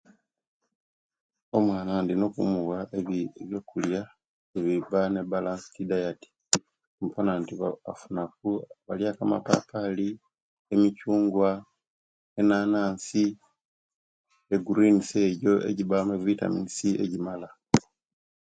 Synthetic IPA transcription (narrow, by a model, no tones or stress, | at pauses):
o̞mwaːnandinokumuwaʔeβeβjo̞kulja | eβiβane̞balasi̥tidajati̥ | mupanantiβaa̰funak̚uβaljakama̰pa̰pʰali | emicuːŋɡwa | e̞naːnaːnsi | eɡuɾinise̞ɟo̞ḛɟiβameβwita̰minisiʔe̞̰ɟimala